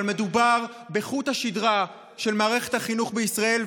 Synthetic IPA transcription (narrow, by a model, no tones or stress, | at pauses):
lme̞d̪ubaʁ | beχuthaʃid̪ʁa | ʃe̞lmaːʁe̞χethaχinuχbeisʁae̞l